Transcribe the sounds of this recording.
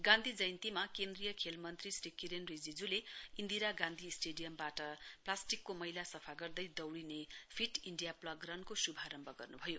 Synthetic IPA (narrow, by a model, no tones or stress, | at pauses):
ɡãnd̪ʱid͡zʌjnt̪imakend̪rijʌkʰelmʌnt̪risrikːiɾenrid͡zid͡zuleind̪iɾaɡãnd̪ʱisʈeɖijʌmbaʈʌplasʈikːomʌɦilasʌpʰaɡʌrd̪ʌjd̪ʌwɽinepʰiʈiɳɖijaplʌɡrʌnkosubʱaɾʌmbʱʌɡʌrnubʱʌjo